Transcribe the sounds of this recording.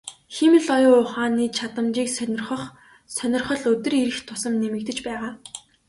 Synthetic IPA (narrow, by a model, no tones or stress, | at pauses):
xemɘ̆ɮɔjʊːʊχaːniːt͡ɕʰat̪ə̆mt͡ɕiːksʲrχə̆χ | sœnʲɪ̆rχɞ̆ɮɵt̪ɵ̆riɾɘ̆xt̪ʰʊsə̆mnemɘ̆k̚t̪ɘ̆t͡ɕpæːʁaː